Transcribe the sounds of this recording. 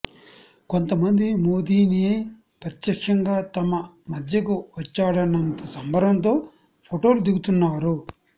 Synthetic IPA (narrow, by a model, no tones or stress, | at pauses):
ko̞nt̪ɐmɐnd̪imo̞ːd̪iːni | pɾɐt̪jɐkʂɐŋɡaːt̪ɐmɐ | mɐd̪ʱjɐkuʋɐt͡ʃːaːɽɐnːɐnt̪ɐsɐmbʱɐɾɐnt̪̬o̞ː | pʰoʈo̞ːlud̪iɡut̪unːaːɾu